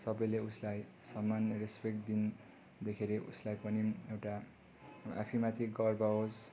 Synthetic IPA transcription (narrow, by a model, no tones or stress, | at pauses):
sʌbʌjleuslajsʌmːanːʌrespekd̪in | d̪ekʰeɾeʔṵslajpʌniewʈa | a̰pʰimat̪ʰiɡʌrbaɦos